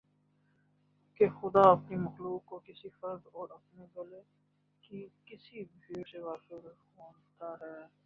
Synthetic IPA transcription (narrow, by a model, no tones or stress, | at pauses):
kexʊd̪aɐpnimɐxluːkːokɪsifɐɾd̪ɔːɾɐpneɡɐle | kikɪsibʱiːɾseʋaːxeɾ | oːt̪aɦɛː